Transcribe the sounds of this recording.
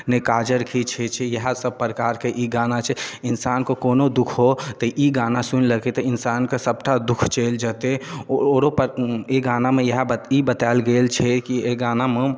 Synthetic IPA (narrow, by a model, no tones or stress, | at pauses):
nekad͡ʒəɾkʰit͡ʃʰɛt͡ʃʰɛjəɦasəb̚pɾəkaɾkeʔiɡanat͡ʃʰɛɪnsaːnkokoːnod̪ukʰɦot̪əʔiɡanasunləket̪əinsaːnkesəb̚ʈʰad̪ukʰt͡ʃeld͡ʒat̪eooɾopeɡanamejəɦaibət̪aɪlɡelt͡ʃʰɛkieɡaːname